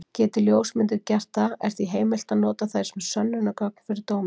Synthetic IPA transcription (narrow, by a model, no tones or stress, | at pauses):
cɛːt̪ʏljoːwsmɪnt̪ɪɾcɛr̥t̪aɛ̰ɾ̥θiɦeːjmɪl̥t̪aðnɔːt̪aθḁsɛmɛ̥sœnːʏnːakœk̚n̥fɪɾɪɾt̪oːwmɪ